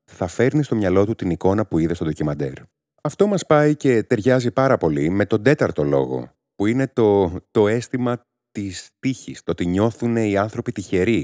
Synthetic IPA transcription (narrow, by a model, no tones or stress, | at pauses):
θɐfe̞ɾnist̪o̞mɲɐlo̞t̪ut̪iniko̞nɐpuiðest̪odocimɐd̪e̞̰ɾ | ɐft̪o̞mɐspɐice̞t̪e̞ɾʝɐzipɐɾɐpo̞lime̞t̪o̞nd̪e̞t̪ɐɾt̪o̞lo̞̰ɣo̞̰ | puine̞t̪o̞t̪o̞e̞st̪imɐ | t̪ist̪içist̪o̞t̪iɲo̞θune̞iɐnθɾo̞pit̪içe̞ɾi